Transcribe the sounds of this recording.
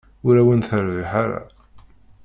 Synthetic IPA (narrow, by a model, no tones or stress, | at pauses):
ʊɾæwænθəɾviħaɾa̰